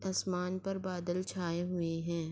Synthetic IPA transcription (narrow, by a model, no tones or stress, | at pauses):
aːsmaːnpɐɾbaːd̪əlt͡ʃʰaːeɦʊeɦɛ̃ː